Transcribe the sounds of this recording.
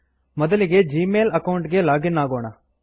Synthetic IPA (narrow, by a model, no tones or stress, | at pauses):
mɔd̪ɐliɡe̞d͡ʒiːmeːlɐkɐwɳʈɡe̞laːɡinːaːɡoːɳɐ